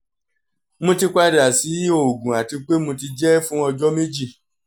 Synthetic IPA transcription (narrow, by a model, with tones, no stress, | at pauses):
mõ˧ti˧kʷa˧da˨si˨˦o˨ɡũ˨a˨ti˧k͡pe˦mõ˧ti˧d͡ʒɛ˦fũ˦ɔ˧d͡ʒɔ˦me˦d͡ʒi˦˨